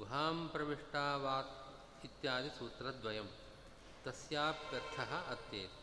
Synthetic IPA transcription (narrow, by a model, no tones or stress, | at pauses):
ɦaːmpɾɐʋiʂʈaːʋaːt̪ | it̪jaːd̪isuːt̪ɾɐd̪ʋɐjɐm | t̪ɐsjaːp̚kɐɾt̪ʰɐɦɐ̆ɐt̪jeːt̪